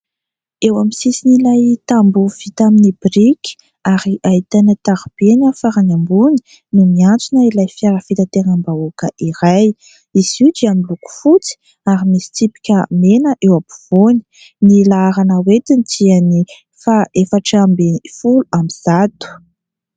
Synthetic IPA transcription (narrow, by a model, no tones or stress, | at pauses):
ewamisisinilajt̪ambuv̥it̪aminibriki̥ | aɾiʔait̪anət̪aɾub̥enafaɾanambuni̥ | numiant͡sunəilajfjaɾəfit̪at̪enəmbaokəʔiɾaj | izid͡ʒiamiluku̥fut͡si̥ | aɾimisi̥t̪ipi̥kʲəmenəʔewapu̥v̥oni̥ | nilaaɾanəwet̪int̪iani | faʔefaʈ͡ʂːmbenfuluamiz̥at̪u̥